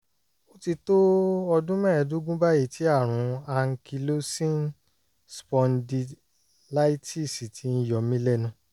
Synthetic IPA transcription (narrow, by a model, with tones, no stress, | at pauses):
o˦ti˧to˦ɔ˧dũ˦mɛ̃˦˨ɛ˨dũ˦ɡũ˦ba˦ji˦˨tʰi˨˦a˦˨ɾ̃ũ˨˦a˧ŋ̩˦ki˧lo˦sĩ˦˨n | spɔ̃˧ndi˧ | la˦i˦ti˦˨si˨ti˧˦n̩˧jɔ˨mĩ˦lɛ˦˨nũ˧˦